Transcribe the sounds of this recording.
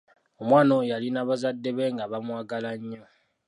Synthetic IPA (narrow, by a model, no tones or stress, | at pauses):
omwaːno̞jalinaβazadːe̞βe̞ŋɡaβamwaːɡalaɲːo